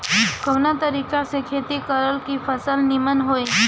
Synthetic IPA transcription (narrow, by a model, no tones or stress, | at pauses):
ɡʱəʋnat̪əɾikasekʰet̪ikəɾəlkifəsəlnimənɦoj